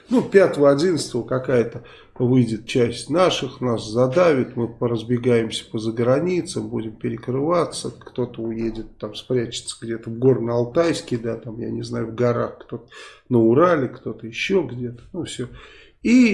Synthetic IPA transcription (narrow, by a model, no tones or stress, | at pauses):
nupʲat̪əvəɐdʲinət̪st̪əvəkɐkajət̪ə | vɨdʲɪt̪̚t͡ɕæsʲtʲnaʂɨxnaszɐd̪avʲɪt̪mɨpəɾəzbʲɪɡajɪmsʲə̥pəzəɡɾɐnʲit̪səmbudʲɪmpʲɪɾʲɪkɾɨvat̪səkt̪o̞t̪əʊjedʲɪt̪ːamspɾʲæt͡ɕɪ̥t̪səɡdʲe̞t̪əvɡo̞rnəɐlˠt̪ajsʲkʲɪd̪at̪amja̰nʲɪznajʊvɡɐɾaxkt̪o̞t̪ə̥nəʊɾalʲɪkt̪o̞t̪əjɪɕːo̞ɡdʲe̞t̪ə̥nufsʲɵ | i